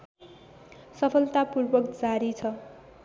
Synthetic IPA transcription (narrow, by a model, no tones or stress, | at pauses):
sʌpʰʌlt̪apurbʌkd͡zaɾit͡sʰʌ